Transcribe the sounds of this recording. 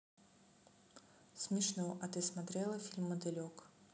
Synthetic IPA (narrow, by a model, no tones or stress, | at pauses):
smʲɪʂnɔʔɐt̪ɨsmat̪ɾɛlˠɐfʲilʲmːɐd̪ɛlʲɔk